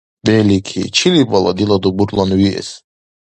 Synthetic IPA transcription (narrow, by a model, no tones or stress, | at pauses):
bɛlikʰḭt͡ʃʰilibɑlˠa̰d̪ilˠad̪ubuɾlˠanwiḛs